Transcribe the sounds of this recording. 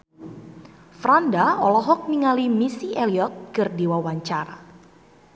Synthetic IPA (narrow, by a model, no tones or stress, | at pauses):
fɾandaɔlɔɦɔk̚miŋalimisiɛliɔt̪̚kɨrdiwawaɲt͡ʃaɾa̰